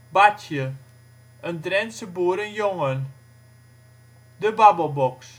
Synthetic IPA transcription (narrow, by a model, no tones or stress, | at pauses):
batjə | ʔəndrɛnsəbuːəɾənjoŋən | dəbabəlˠbɔks